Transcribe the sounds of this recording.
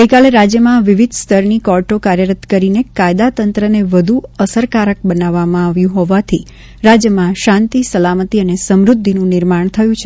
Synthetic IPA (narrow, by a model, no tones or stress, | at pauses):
ɡəjkaleɾad͡ʒjəmãʋiʋɪd̪ʱst̪ʰəɾnikɔɾʈokaɾjəɾət̪kəɾinekajd̪at̪ənt̪ɾəneʋəd̪ʱuəsəɾkaɾək̚bənaʋːamãaʋjũɦɔʋat̪ʰi | ɾad͡ʒjəmãʃãnt̪isəlamət̪iənesəmɾʊd̪ʱːinũnɪɾmaɳ̃t̪ʰəjũt͡ʃʰ